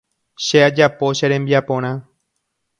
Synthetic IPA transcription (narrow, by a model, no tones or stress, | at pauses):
ʃead͡ʒapo̞ʃeɾẽmbiapõ̞ɾ̃ã